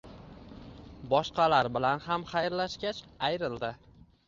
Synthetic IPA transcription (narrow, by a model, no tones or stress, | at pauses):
bɒʃqɑlaɾbɪlanhamχajɾlaʃɡʲat͡ʃajɾɪld̪ɪ